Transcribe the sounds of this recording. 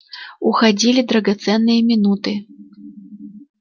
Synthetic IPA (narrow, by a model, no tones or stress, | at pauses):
uxad͡zʲilʲid̪ɾɐɡat̪sɛnːɨjɐmʲinut̪ɨ